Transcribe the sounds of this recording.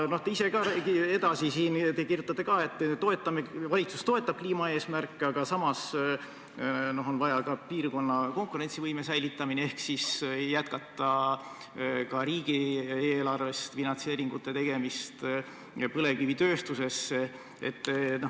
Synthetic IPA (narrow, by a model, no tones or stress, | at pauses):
no̞ht̪eise̞kɑkie̞d̪ɑsisiːnt̪e̞kirjut̪ːˑɑt̪ːˑekɑːe̞t̪ːt̪o̞et̪ːˑɑmevɑlʲit̪su̥st̪o̞e̞t̪ːˑɑb̥̚kliːmɑe̞ːsmærkˑːeɑɡ̥ɑsɑmɑs | no̞ɦonvɑjɑkɑpiːrko̞nːɑko̞ŋkuɾe̞nt̪sivɤjme̞sæjlit̪ːˑɑminee̞hksisjæt̪̚kɑt̪ːˑɑ | kɑɾiːɡieːlɑrve̞st̪finɑnt̪se̞ːɾiŋɡut̪ːe̞t̪e̞ɡ̥e̞mist̪ | pɤle̞kivit̪øːst̪use̞se | ḛt̪ːno